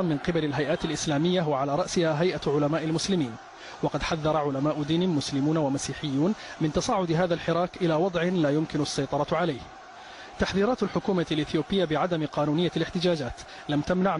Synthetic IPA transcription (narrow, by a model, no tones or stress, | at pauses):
mɪnqɨbalɪlɦajʔaːt̪alʔɪslaːmɪjːaɦʊwaʕalaːɾˤɑʔsɪhaːɦajʔaʕʊlamaːʔalmʊslɪmiːn | wɑqɑd̪ħaðːɑɾˤɑʕʊlamaːʔʊd̪iːnmʊslɪmuːnawamasiːħɪjːuːnmɪnt̪ɑsˤɑːʕʊd̪ɦaːðalħɪɾɑːkʔɪlaːwɑd̪ˤʕɪlaːjʊmkɪnʊasːɑjt̪ˤɑɾˤɑʕalajh | t̪aħðiːɾɑːt̪alħʊkuːmalʔɪθjoːbɪjːabɪʕad̪amqɑːnuːnɪjːalɪħt̪ɪd͡ʒaːd͡ʒaːt̪ | lamt̪amnaʕ